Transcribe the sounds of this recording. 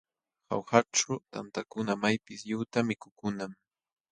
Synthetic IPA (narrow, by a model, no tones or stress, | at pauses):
ha̰wxaʈ͡ʂʊt̪a̰nt̪akʊnamajpɪsʎʊt̪amɪkʊkʊnam